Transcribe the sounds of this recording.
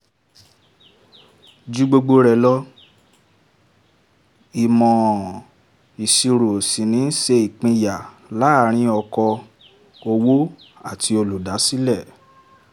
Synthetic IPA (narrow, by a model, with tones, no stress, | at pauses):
d͡ʒu˦ɡ͡bo˧ɡ͡bo˧ɾɛ˨lɔ˦ | i˨mɔ̃˨ | i˨si˧ɾo˨sĩ˨nĩ˨˦n̩˦ʃe˧i˨k͡pĩ˧ja˨ | la˨˦˨ɾ̃ĩ˧ɔ˧kɔ˧ | o˧wo˦ | a˦˨tʰi˧o˧lu˨da˨˦si˦lɛ˦˨